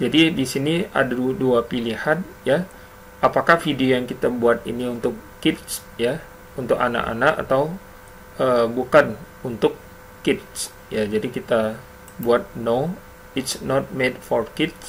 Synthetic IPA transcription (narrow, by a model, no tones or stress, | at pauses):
d͡ʒadidisinia̰daduapilihan̚ja | apakahfidiojaŋkit̪abuat̪ḭniunt̪ʊkːɪt̪̚s | ja | unt̪ʊka̰na̰ʔa̰naka̰t̪aw | əbukan | unt̪ʊkː | ɪt̪̚s | jad͡ʒadikit̪a | buat̪̚no | ɪt̪snɔt̪̚medfɔrkɪt̪̚s